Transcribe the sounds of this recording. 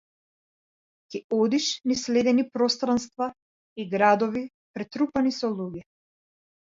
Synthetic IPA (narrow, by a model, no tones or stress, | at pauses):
c̪ʲɛɔd̪iʃnislɛd̪ɛnipɾɔst̪ɾanst̪va | iɡɾad̪ɔvi | pɾɛt̪ɾupanisɔlˠuɡɛ